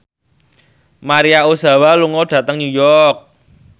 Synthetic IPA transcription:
maɾiaosa̤waluŋɔɖ̥ä̤t̪əŋnujɔrk̚

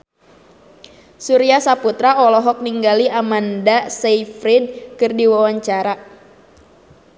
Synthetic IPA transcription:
suɾiasaput̪ɾaɔlɔɦɔk̚niŋɡaliʔamandasɛifɾid̚kɨrdiwawaɲt͡ʃaɾa

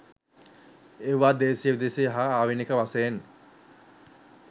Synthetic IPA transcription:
eʋaːd̪eːsijəʋid̪esijɦaaːʋinekəʋaseen

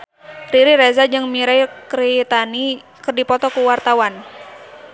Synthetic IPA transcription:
riɾiɾezad͡ʒɨŋmiɾajkɾit̪ani | kɨrdipɔt̪ɔkuwart̪awan

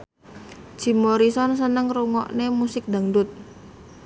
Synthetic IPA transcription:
ʒ̥i̤moɾisɔnsənəŋruŋɔʔnemusɪk̚d̪a̤ŋɖʊt̪̚

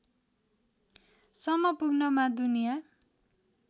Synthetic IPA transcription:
sʌmʌpuɡnʌmad̪unija

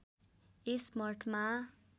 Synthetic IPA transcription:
esmʌrʈʰma

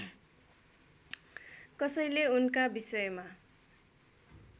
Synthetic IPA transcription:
kʌsʌjleunkabisʌjma

